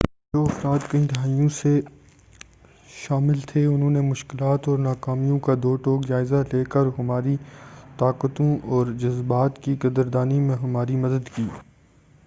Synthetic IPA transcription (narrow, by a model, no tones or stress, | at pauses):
d͡ʒoːɐfɾaːd̪kɐĩd̪ɦaːijõse | ʃaːmɪlt̪ʰeʊnɦõːnemʊʃkɪlaːt̪ɔːɾnaːkaːmijõkad̪oːʈoːkd͡ʒaːɪzaleːkəɾɦɐmaːɾit̪aːqət̪õʔɔːɾd͡ʒɐzbaːt̪kiɡɐd̪əɾd̪aːnimẽɦɐmaːɾimɐd̪əd̪kiː